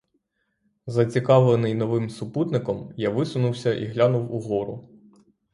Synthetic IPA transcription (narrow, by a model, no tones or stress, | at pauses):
zɐt͡sʲikɑʋlenɪjnɔʋɪmsʊput̪nɪkɔmjaʋɪsʊnʊwsʲɐʔḭɦlʲanʊwuɦɔɾʊ̰